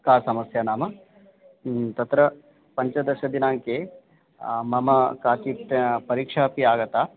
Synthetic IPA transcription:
kaːsɐmɐsjɐnaːmɐ | t̪ɐt̪ɾɐ | pɐɲt͡ʃɐd̪ɐɾʃɐd̪inaːŋkeː | mɐmɐkaːkipɐɾiːkʂaːpiaːɡɐt̪aː

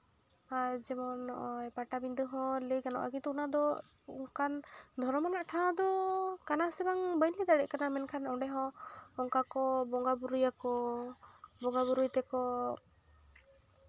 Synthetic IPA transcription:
aɾd͡ʒɛmɔnɔ̰ʔɔjpaʈabind̪ɯɦɔ̃lekanɔ̰ʔa̰ɡit̪ɔunad̪ɔ | ṵŋkʰand̪ʱɔɾɔmɔnaʔʈʰad̪ɔkanasɛbaŋbəjnlid̪aɽɛʔkanamɛnkʰanɔɖɛɦɔ̃ɔŋkakɔbɔŋɡabuɾujakɔ | bɔŋɡabuɾujt̪ɛkɔ

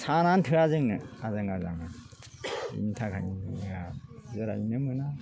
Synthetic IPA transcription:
sʰanantʰɯazɯŋnɯazɯŋazaŋa | ḭntʰakʰa̰jinɯmɯazɯɾa̰jnɯmɯna

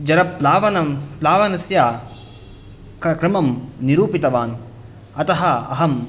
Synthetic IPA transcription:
d͡ʒɐɾɐplaːʋɐnɐmplaːʋɐnɐsjaː | kkɾɐmɐmniɾuːpit̪ɐʋaːn | ɐt̪ɐɦɐɐ̰ɦɐm

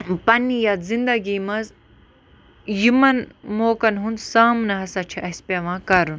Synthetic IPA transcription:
pɐnijɐt̪zind̪ɐɡiːmɐz | jimɐnmoːkɐnɦund̪saːmnɐɦɐsɐt͡ʃʰiʔɐspʲɐʋãːkɐɾun

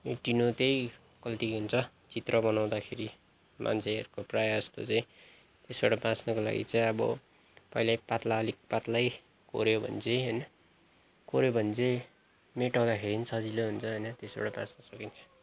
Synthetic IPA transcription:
eʈinot̪ej | kʌlt̪iɦunt͡sʰʌ | t͡sit̪rʌbʌnaw̃d̪akʰeɾi | mʔa̰nt͡sʰeʌ̰ɾukoprajd͡zʌst̪o̰t͡saĩ | t̪esbaɽʌbãt͡snʌkola̰ɡḭt͡sãĩʌbʌ̰ | pʌilajpat̪laʌlik̚pat̪laj | ko̰ɾjobʱʌ̰nt͡sʰeɦʌjnʌ | koɾjobʱʌnt͡sʰe | meʈaw̃d̪akʰeɾinisʰʌd͡ziloɦunt͡sʰʌɦʌjnʌt̪esba̰ɽabã̰snʌsʌkint͡sʰʌ̥

